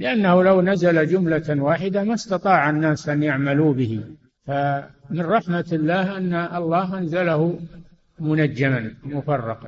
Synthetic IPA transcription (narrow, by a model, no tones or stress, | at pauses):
lɪʔanːahulawnazalad͡ʒʊmlawaːħɪd̪amast̪ɑt̪ˤɑːʕanːaːsʔanjaʕmaluːbɪɦi | famɪnˤɑħmat̪ɪlːaːhʔanːaʔɑlˤːɑːɦʔanzalahʊ | mʊnad͡ʒːamanmʊfɑrˤːɑqɑn